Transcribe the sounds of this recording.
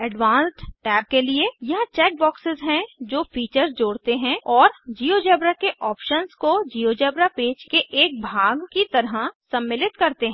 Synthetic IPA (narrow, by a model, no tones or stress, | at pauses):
ɛɖʋãːnsʈʈɛːb̚keliejɐɦãt͡ʃɛːk̚bɔːksɪzɦɛ̃d͡ʒoːfiːt͡ʃəɾzd͡ʒoːɽt̪eɦɛ̃ɔːɾd͡ʒiːod͡ʒɛːbɾakeʔʔɔːpʃənskod͡ʒiːod͡ʒɛːbɾapeːd͡ʒkeʔeːk̚bʱaːɡkit̪ɐɾɦasɐ̃mːɪlɪt̪kɐɾt̪eɦɛ̃